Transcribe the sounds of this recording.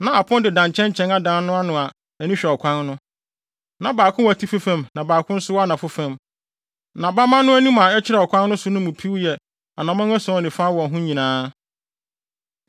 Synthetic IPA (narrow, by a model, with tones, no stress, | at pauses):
nã˨a˨pʰʊ̃˦ndɪ˨dã˨ɲt͡ɕʰɛ̃˦ɲt͡ɕʰɛ̃˦na˦dãː˦nnʊ̃˦a˦nʊ̃˨a˨ | æ˨nĩ˦ɕᶣɛ˨ɔ˨kʷʰã˦nnʊ̃˦ | nã˨baː˨kʰʊ̃˦wa˨tʰi˦fi˦fæ̃˦˨mnã˨baː˨kʰʊ̃˦n̩˦sʊ˦wa˦nã˨fʊ˦fæ̃˨m | nã˨ba˦mã˦nʊ̃˦æ˦nũ˦mã˨ɛ˦t͡ɕʰɪ˦ɾɛ˦˨ɔ˨kʷʰã˦nnʊ̃˦sʊ˦nʊ̃˦mũ˨pʰi˦wjɛ˨ | a˨nã˨mã˦n˦æ˦sɔ̃˨˦ɔ˨nɪ̃˨fa˦wɔ̃˨ɦʊ̃˦ɲĩ˨nãː˦